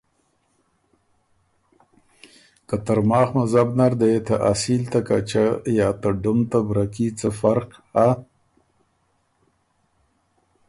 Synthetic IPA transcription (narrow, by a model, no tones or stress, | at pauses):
kat̪aɾmɑːxmazabnaɾd̪eet̪ʰaʔasilt̪akat͡ʃajɑːt̪aɖʊmt̪abɾakit͡səfaɾqha